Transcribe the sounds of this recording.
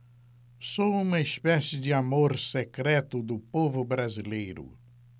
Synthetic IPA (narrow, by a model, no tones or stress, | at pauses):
soũmɐispɛsɪd̪ɪamoɾsekɾɛt̪ʊd̪ʊpovʊbɾazilejɾʊ̰